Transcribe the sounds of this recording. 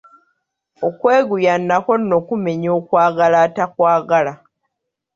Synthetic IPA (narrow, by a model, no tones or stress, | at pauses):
okwe̞ːɡujanːako̞nːo̞kume̞ɲo̞ːkwaːɡalaːtakwaːɡala